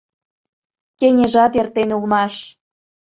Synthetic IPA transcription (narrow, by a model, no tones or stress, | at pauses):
keŋʲeʒɑt̪ert̪enulmɑʃ